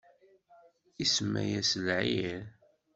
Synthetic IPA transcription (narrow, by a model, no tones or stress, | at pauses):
isəmːæ̰jæsəlʕiɾ